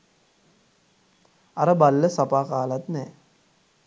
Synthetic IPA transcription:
aɾəbalːəsapaːkaːlat̪nɛː

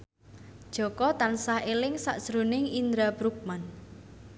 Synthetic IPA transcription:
d̥ʒ̥ɔ̤kɔt̪ansahelɪŋsa̰ʔsɾonɪŋind̪ɾabɾuk̚man

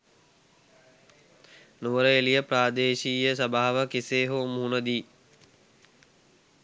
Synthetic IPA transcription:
nuʋəɾəelijəpɾaːd̪eːʃiːjəs̬əbaːaʋəkiseːɦoːmɦunəd̪iː

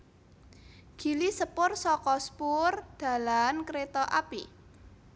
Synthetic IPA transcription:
ɡ̥i̤lisəpʊrsɔkɔspʊrd̪̥ä̤lankɾet̪ɔʔapḭ

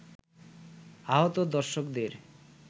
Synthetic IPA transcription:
aɦot̪od̪ɔɾʃokd̪eɾ

